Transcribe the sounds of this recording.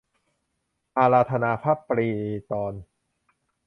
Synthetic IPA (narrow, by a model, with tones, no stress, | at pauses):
ʔaː˧laː˧t̪ʰa˧naː˧pʰa˦˥˩pːɾiː˧t̪ɔː˧n